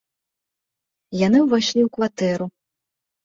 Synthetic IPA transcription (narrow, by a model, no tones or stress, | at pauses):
janɨwvaɕʲlʲiwkvat̪ɛɾu